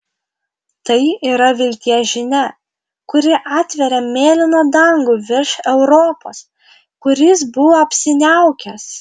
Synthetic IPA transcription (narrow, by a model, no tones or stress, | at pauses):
t̪ɐɪiːɾɐʋʲɪlʲt̪ʲiɛʒʲɪnʲɛ | kʊɾʲɪʔɑːt̪ʲʋʲɛɾʲɛmʲeːlʲɪnoːd̪ɐŋɡʊʋʲɪɾʃɛʊɾoːpo̰ːs | kʊɾʲɪsbʊʋoɐpʲsʲɪnʲæʊkʲɛs